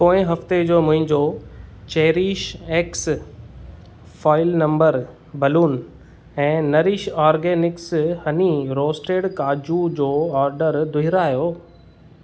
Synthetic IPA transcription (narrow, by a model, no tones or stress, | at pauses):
poːɪ̃ɦɐft̪ed͡ʑoːmʊ̃ɦɪ̃ɲd͡ʑo | t͡ɕɐːɾiʃeːks | faːɪlnɐ̃mbəɾ | bɐluːn | ɛ̃ːnɐɾiːʃaːɾɡeːnɪkshɐniɾoːsʈeːɽkaːd͡ʑud͡ʑoːɔːɾɖəɾd̪ʊɦɪɾaːjoː